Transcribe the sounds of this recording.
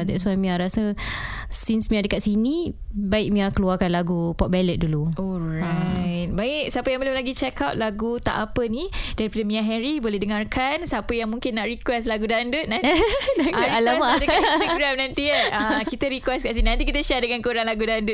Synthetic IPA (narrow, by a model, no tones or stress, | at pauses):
d̪ɛtswamĩaɾasə | sinsmĩadəkaʔsini | baɪk̚mĩakəluarkanlaɡupɔt̚bɛlət̪̚duluɔɹajt̪̚baɪk̚səapəjaŋbəlʊmlaɡit͡ʃɛkawt̪̚laɡut̪a̰ʔapənid̥aɾipadəmĩaɦɛɾibolɛhdəŋarkʰansəapəjaŋmũŋkɪnːaʔɾikwɛslaɡudandʊt̪̚nãnidaalamadəkaɾamnãnt̪iəakkit̪əɾikwɛskaʔs̬ininãnt̪ikit̪əʃɛdəŋankuɾaŋlaɡudandʊt̚